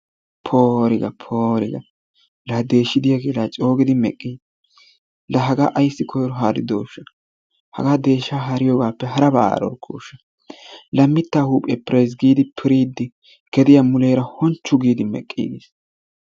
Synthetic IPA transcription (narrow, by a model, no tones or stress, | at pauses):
pʰoːɾɪɡɐpʰoːɾɪɡɐ̰ | lɐd̪e̞ːʃːɪd̪ɪjaɡeːlaːt͡ʃʼo̞ːɡɪd̪ɪmɛ̰kʼːiːd | lɐɦɐɡa̰ːʔɐjsːɪkʰɔjɾɔɦaːd̪ɪd̪o̰ːʃːɐ | hɐ̰ɡaːd̪e̞ːʃːaːɦɐɾɪjɔɡaːpːɛɦɐɾɐba̰ːa̰ːɾɔ̰ɾkʰṵːʃːɐ | lɐmːɪt̪ːaːhuːpʼːepɾejs̬ɡiːd̪ɪpʰɪɾiːd̪ːɪ | kɛd̪ɪjɐmʊleːɾɐhɔnt͡ʃːʊɡiːd̪ɪmɛ̰kʼːḭːɡes